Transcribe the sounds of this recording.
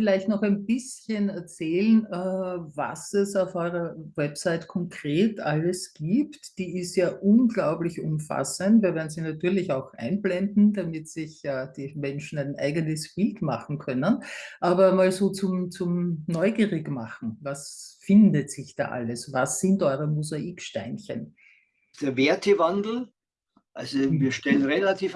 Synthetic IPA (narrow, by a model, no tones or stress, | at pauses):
fɪlæɪçtnɔχæɪnb̥ɪsçənɛɐt͡sɛːlənɛːva̰sɛsaʊfʔɔʏʁɐwɛpsaɪtkʰɔŋkʁ̥eːtʔaləsɡ̥iːptd̥iːɪstjaːʔʊnɡlaʊblɪçʊmfa̰səntviːɐvɛːɐdn̩ziːnatyːɐlɪçaʊxʔæ̰̃ɪnblɛndn̩damɪtsɪçaːd̥iːmɛnʃn̩æɪnʔæ̰ɪɡənəsb̥ɪltma̰χn̩kʰœnənʔaːbɐmaːlzoːt͡sʊmt͡sʊmnɔʏɡiːʁɪɡmaχn̩vasfɪndətz̥ɪçd̥a̰ːʔa̰ləsvasːɪntʔɔʏʁəmuzaʔiːkʃtæɪnçə̰n | d̥eːɐveɐtʰəvandl̩ | ʔalzoviːɐʃtɛlənʁelatʰiːf